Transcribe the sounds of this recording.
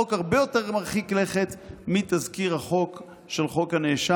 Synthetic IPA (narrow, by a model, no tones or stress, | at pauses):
okhaʁbejo̞teʁmaʁχikleχet̪mit̪azkiʁhaχo̞k | ʃelχo̞khaneʃa